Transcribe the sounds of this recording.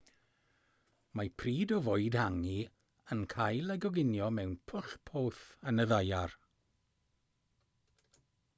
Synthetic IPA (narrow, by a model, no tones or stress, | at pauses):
mapʰriːdɔvoɨdhaŋi | ənkʰajlˠaɡɔɡɪnjɔmɛwnpʰʊɬpʰoːθənəðajar